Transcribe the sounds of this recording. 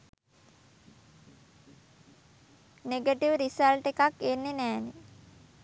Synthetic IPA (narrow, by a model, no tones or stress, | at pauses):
neɡəʈiʋɾisalʈekakːenːenæːne